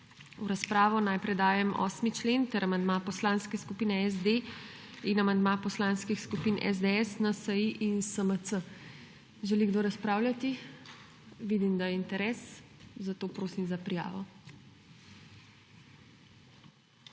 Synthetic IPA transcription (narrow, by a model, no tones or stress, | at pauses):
uɾaspɾaːʋɔnajpɾɛd̪aːjɛmɔ̰ːsmit͡ʃleːnt̪ɛɾamand̪mapɔslanskɛskupiːnɛɛzd̪e | inamand̪mapɔslaːnskixskupiːnɛ̰zd̪eɛsnasəjiʔinsəmət̪sə | ʒɛliɡd̪oːɾaspɾaːwlʲjat̪i | ʋiːd̪imd̪ajɛint̪ɛɾɛːszat̪oːpɾoːsimzapɾija̰ːʋɔ